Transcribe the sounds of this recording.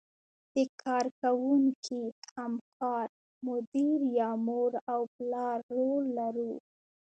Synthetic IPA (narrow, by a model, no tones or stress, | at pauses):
d̪̥əkʰɑɾkawuŋkʰihamkʰɑɾ | mʊd̪iɾjɑmoɾawplɑɾːolːaɾu